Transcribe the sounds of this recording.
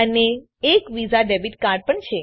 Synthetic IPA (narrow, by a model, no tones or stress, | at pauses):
əneː | kʋizaɖebiʈkaɾɖ̚pəɳt͡ʃʰe